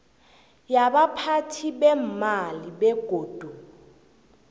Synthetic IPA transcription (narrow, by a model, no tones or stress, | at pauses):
jaɓapʰatʰiɓɛmaliɓɛɡ̥ʱoːd̥ʱu